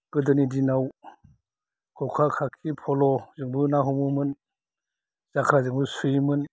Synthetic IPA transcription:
ɡ̥ɯdɯnidinaw | kʰɔkʰakʰakʰipʰɔlɔzɯŋbɯnaɦɔmɯmɯn | z̥akʰɾazɯŋbɯsujmɯn

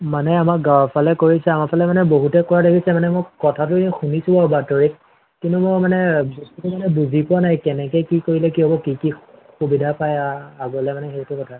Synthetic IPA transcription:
manɛamak̚ɡawapʰalɛkoɹisɛamapʰalɛmanɛboɦutɛkɔɹadakʰisɛmanɛmɔkɔtʰatʊxunisubɔbatɔɹi | kintʊmɔmanɛbɔstutumanɛbuzipʊwanajkɛnɛkɛkikoɹilɛkiɦɔbɔkikixubidʱapajaaɡɔlɛmanɛxetʊkɔtʰa

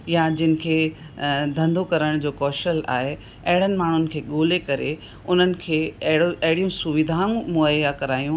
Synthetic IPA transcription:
jad͡ʑɪnɪ̆kʰeː | d̪ʱɐ̃nd̪okɐɾəɽ̃d͡ʑoːkɔːʃəla̰ːɦe | ɐɦɪɽ̤ənɪ̆maːɳ̤ʊnɪ̆kʰeːɠoːlekɐɾe | ʊn̤ənɪ̆kʰeːɐɦɽoʔɐɦɪɽijũsʊʋɪd̪ʱaũmoakɐɾaːijũ

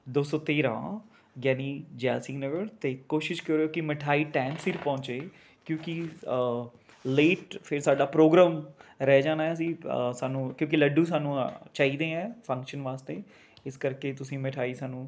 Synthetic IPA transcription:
d̪oːsoːt̪eːɾã̰ː | ɡjɛːniːd͡ʒɛːlsɪ̃ŋnəɡəɾt̪eːkoːʃɪʃkəɾeoːkɪməʈʰaːiːʈɛ̃ːnsɪɾpɔ̃ːɲt͡ʃeː | kjõːkɪ | leːʈpʰɪɾsaːɖaːpɾoːɡɾãːmɾɛːd͡ʒãːnaːɛ̃ːəs̬ĩːsaːnũːkjõːk̬ɪləɖũːsaːnũːt͡ʃaːiːd̪ẽːɛ̃ːpʰə̃ŋkʃənʋaːst̪eː | ɪskəɾkeːt̪ʊsĩːmɪʈʰaːiːsaːnũː

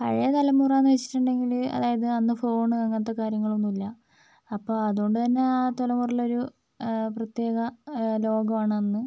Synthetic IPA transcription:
kɐ̰ɻejɐt̪ɐlɐmːuːraːnːɨʋet͡ɕːi̥ʈːuɳɖe̞ŋɡilɐ̰ðaːjɐðɨɐnːɨfo̞ːɳɨkɐŋːɐt̪ːɐkaːɾjɐŋːɐɭonːumilːɐ | ɐpːoːɐðuo̞ɳɖɨt̪ɐnːe̞at̪olɐmurɐlo̞ɾu | prɐt̪je̞ːɣɐlo̞ːɡɐmaːɳɨɐnːɨ

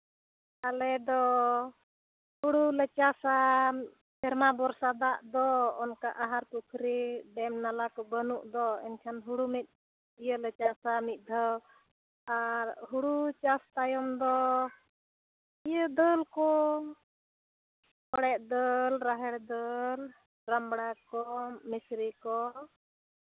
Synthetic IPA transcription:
alɛd̪ɔ | huɽulət͡ʃasa | pɛɾmabɔɾsad̪aʔd̪ɔːnkaʔaɦaɾkukʰɾiɖɛmnalakɔbənuʔd̪ɔɛ̰nkʰanɦuɽumɛt̪̚ˀ | ijələt͡ʃasamit̪̚ˀd̪ʱɔ | aɾɦuɽut͡ʃast̪ajɔmd̪ɔ | ijəd̪əlkɔ | kɔɽɛʔd̪əlɾaɦɛɽd̪əl | ɾambɽakɔmisɾikɔ

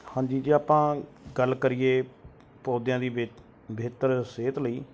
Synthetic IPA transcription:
hãːɲd͡ʒiːd͡ʒiːaːpãːɡəlkəɾiːeː | poːd̪jãːd̪iː | bʱeːt̪əɾseːt̪ləiː

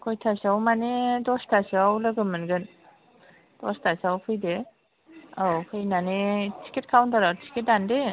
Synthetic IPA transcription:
kʰɔjtʰasawmanedɔstʰasawlɯɡɯmɯnɡɯn | d̥ɔstʰasawpʰɯjde | awkʰɯjnanetʰi̥kʰit̚kʰawntʰaɾatʰi̥kʰet̚dande

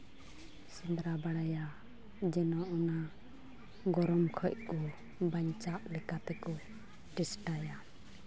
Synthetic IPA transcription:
sund̪ɾabaɽaja | d͡ʒɛnɔʔɔna | ɡɔɾɔmkʰɔc̚ˀkɔ | baɲt͡ʃaʔlɛkat̪ɛkɔ | ʈɛsʈaja

